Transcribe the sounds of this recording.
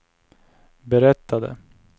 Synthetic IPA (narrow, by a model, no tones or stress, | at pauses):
bɛɾɛt̪ːad̪ə̰